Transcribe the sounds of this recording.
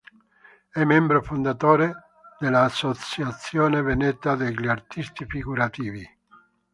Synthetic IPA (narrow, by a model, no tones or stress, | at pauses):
ɛmːɛmbɾofond̪at̪oːɾe | d̪elaːsːot̪sjat̪sjoːnevenɛt̪ːad̪eʎiart̪ist̪ifiɡuɾat̪iːvi